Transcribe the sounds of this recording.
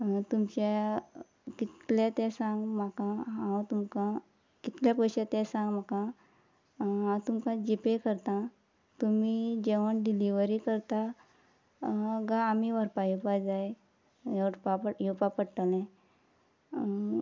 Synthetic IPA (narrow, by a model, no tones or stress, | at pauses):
t̪umt͡ɕa | kit̪lɛt̪ɛ̃sãŋɡm̤akãɦãwt̪umkã | kit̪ljapəjɕet̪ɛ̃sãŋɡm̤akã | ɦãwt̪umkãd͡ʑipekəɾt̪ã | t̪umid͡ʑeʋəɳɖiliʋəɾikəɾt̪a | ɡãːmiʋəɾpajupad͡zaj | jʈpapəjupapəɽʈ̪alɛ̃